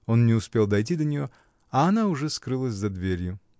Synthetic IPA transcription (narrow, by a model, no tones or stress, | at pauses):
o̞nnʲɪʊspʲe̞lˠd̪ɐjt̬ʲid̪ənʲɪjo̞ | ɐɐnaʊʐɛskɾɨlˠəsʲzɐd̪vʲeɾʲjʊ